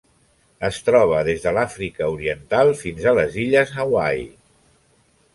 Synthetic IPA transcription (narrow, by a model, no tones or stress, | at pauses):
əst̪ɾɔβ̞əðezðəlafɾikəuɾiənt̪alˠfinzələziʎəzawaj